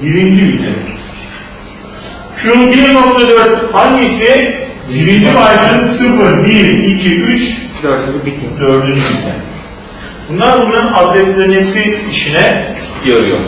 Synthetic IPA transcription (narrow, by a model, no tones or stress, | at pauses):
biɾind͡ʒiid̪ʰḛ | cʰulˠbinok̚t̪ʰad̪øɾt̪hand̪isi | biɾind͡ʒimajd̪ɯnsɯfɯɾbiɾicʰiʔyt͡ʃaɯbit̪ʰimd̪øɾlʲyɾybiɛ̰n | b̥unlˠaɾbunɯnad̪ɾɛslʲenesiːʃʰinɛjaɾɯjo̰